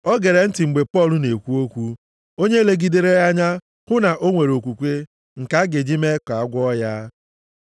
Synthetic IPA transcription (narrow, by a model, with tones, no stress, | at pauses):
ɔ˦ɡe˨ɾe˨n̩˦tɪ˨ŋ͡m̩˨ɡ͡be˨pɔ˦˨lʊ˦ne˨kʷu˦o˦kʷu˦ | o˦ɲe˦˨le˦ɡi˦de˦ɾe˦a˦ɲa˦ | kʊ˦na˨ʔo˦ŋʷe˨ɾo˨kʷu˨kʷe˦ | ŋ̩˨ka˦ɡe˨d͡ʒi˦me˦ka˨a˦ɡʷɔ˦ja˦